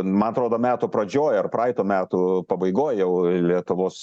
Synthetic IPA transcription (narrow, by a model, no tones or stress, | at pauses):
mɐnɐt̪ɾoːd̪oːmʲæːt̪ʊpɾɐd͡ʒʲoːjɐrpɾɑɪt̪oːmʲæːt̪ʊpɐbɐɪɡoːjjɛʊlʲiɛt̪ʊʋoːs